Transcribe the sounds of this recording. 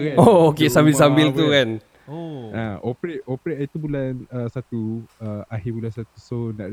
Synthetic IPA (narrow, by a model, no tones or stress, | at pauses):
kookesambisambɪlt̪ukan | ã̰ʔopɾeopɾeʔ̪it̪ubulanəsat̪uəaɦibulansat̪usonaʔ